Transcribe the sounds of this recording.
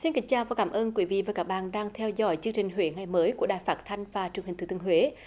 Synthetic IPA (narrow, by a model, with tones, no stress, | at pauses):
si˧nka˨˥ŋ̟t͡ɕaː˧˩vaː˨˩kaː˨˦mʔəː˧nkwi˨˦vḭ˧˨vaː˨˩kaː˦˥k̚ɓa̰ː˧˨nɗaː˧ŋt̪ʰɛ˧wzɔ̰˧˥jt͡ɕɨ˧əŋt͡ɕï˨˩ŋ̟ɦwe˨˦ŋa˨˩jməː˨˦jku˧˩əɗaː˨˩jfaː˦˥t̚t̪ʰa˧jŋ̟vaː˨˩t͡ɕɨ˨˩ŋhi̟˨˩ɨ˧˩t̪ɨ˧˩ə˧hwe˨˦